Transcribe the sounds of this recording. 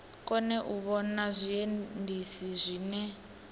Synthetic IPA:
kʼɔnɛʔuβɔnazʷiendʱisizʷiːnɛ

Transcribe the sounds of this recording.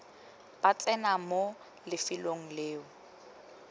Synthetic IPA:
b̥at͡ɬʼɛnamo | lɪfɪloŋ̩leːʊ

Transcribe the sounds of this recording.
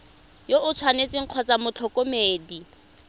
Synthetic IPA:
joʊt͡sʰwanet͡sɪŋ̩q͡χʰɔt͡samʊt͡ɬʰɔkʼomeːdi

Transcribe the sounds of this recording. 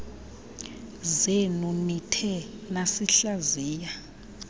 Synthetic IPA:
zenunitʰɛ | nasiɬaziːja

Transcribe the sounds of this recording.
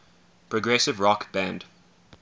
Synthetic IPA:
pʰɹɔɡɹɛsɪvɹɔkb̥æ̃nd̥

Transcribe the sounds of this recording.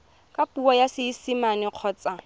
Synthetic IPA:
kʼapuɔjasɪisimanɪq͡χʰɔːt͡sʼa

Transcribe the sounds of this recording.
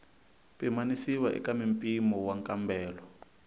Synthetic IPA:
pimanisiwaʔɛ̰kamimpʼimɔwaŋkʼambɛːlɔ

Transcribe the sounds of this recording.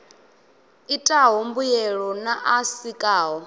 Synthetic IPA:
itʼaɦombujɛɺɔnaʔasikʼaːɦɔ

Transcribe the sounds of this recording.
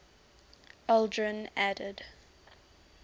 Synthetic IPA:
aldɹə̃nædəd

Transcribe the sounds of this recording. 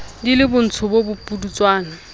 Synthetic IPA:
dilɪbʊn̩t͡sʰʊbobʊpʼudut͡swaːna

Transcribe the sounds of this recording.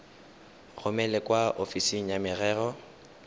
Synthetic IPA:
ɣʊmɛlɛkʼwaʔofisiŋ̩jamɪrɛːrɔ

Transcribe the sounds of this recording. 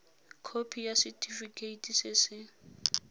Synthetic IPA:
kʰopʰijasitʰʼifikʰʼeitʰʼisɪsɪ

